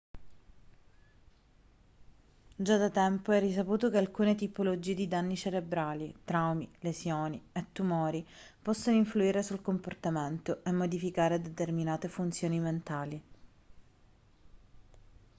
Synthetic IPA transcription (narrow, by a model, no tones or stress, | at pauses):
d͡ʒad̪at̪ɛmpoɛris̬apuːt̪okealkuːnet̪ipolod͡ʒiːed̪id̪anːit͡ʃeɾebɾaːlit̪ɾawmilesjoːniet̪ːumɔːɾipɔsːonoiɱfluiːɾesulkomport̪ament̪oʔemːod̪ifikaːɾed̪et̪erminaːt̪efunt̪sjoːniment̪aːli